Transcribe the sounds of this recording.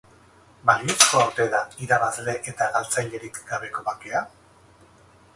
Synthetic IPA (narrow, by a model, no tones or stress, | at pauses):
baliesko̞awt̪e̞ðaiɾaβazle̞ʔet̪aɣalt͡sajʎe̞ɾikɡaβe̞ko̞βakea